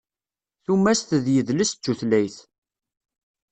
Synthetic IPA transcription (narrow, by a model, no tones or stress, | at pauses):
θumːæst̪ðjəðləst͡sːuθlæjθ